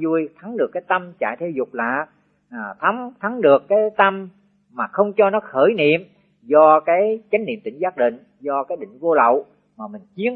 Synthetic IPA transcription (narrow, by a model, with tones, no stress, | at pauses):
zu˧jt̪ʰa˨˦ŋɗɨ˨˩əkːaː˨˦jt̪ə˧mt͡ɕa̰ː˧˨jt̪ʰe˧wzʊ˨˩k͡p̚laː˧˨˩ | t̪ʰa˨˦ŋt̪ʰa˨˦ŋɗɨ˨˩əkːaː˨˦jt̪ə˧mː | aː˨˩xə˧wŋ͡mt͡ɕɔ˧nɔ˨˦xəː˧˩jnḭ˧˨əm | zɔ˧kaː˨˦jt͡ɕa˨˦ŋ̟nḭ˧˨əmt̪ï˧˩ŋzaː˦˥k̚ɗḭ̈˧˨ŋ̟ | zɔ˧kaː˨˦jɗḭ̈˧˨ŋ̟vo˧lə̰˧˨w | maː˨˩mï˨˩ŋ̟t͡ɕi˨˦ən